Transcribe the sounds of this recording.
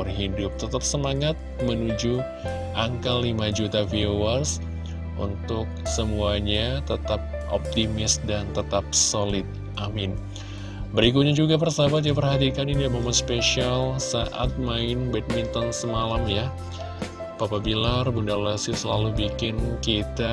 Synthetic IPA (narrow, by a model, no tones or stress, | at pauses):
rɦidʊp̚t̪ət̪ap̚səmaŋat̪̚mənud͡ʒu | ʔaŋkalimad͡ʒut̪afiowas | ʔṵnt̪ʊk̚səmuaɲat̪ət̪ap̚ | ʔo̰p̚t̪imɪsdant̪ət̪ap̚solɪt̪̚ | ʔamɪn | bəɾik̬ut̪̚ɲad͡ʒuɡap̬ərsabat̪̚diap̬ərɦat̪̬ikaninimamat̪speʃialsaʔa̰t̪̚maɪnbɛt̪̚mint̪ɔnsəmalamja | b̥apabilarbundalasisəlalubikɪnkit̪a